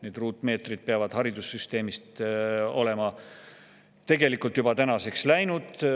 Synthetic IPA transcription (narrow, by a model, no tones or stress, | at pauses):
ned̪̥ruːt̪ːˑme̞ːt̪rid̪̥̚peɑvɑd̪̥hɑɾid̪̥usːyst̪e̞ːmist̪o̞̰le̞mɑ | t̪e̞ɡe̞likːˑult̪jub̥ɑt̪ænɑse̞kslæjnud̪̥